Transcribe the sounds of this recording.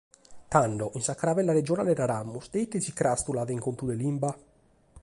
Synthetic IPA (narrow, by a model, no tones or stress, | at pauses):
t̪aɳɖɔʔinsakːɾavɛlːaɾed͡ʒɔnalɛɾaɾamːusd̪eit̪ːesikɾast̪ulaðeiŋkont̪ud̪elimba